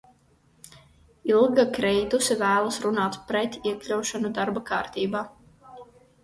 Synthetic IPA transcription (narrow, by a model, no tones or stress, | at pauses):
ilˠɡakɾɛjd̪usivæːlˠasɾunaːt̪pɾɛt̪iɛklʲawʃanud̪aɾbakaːɾt̪iːbaː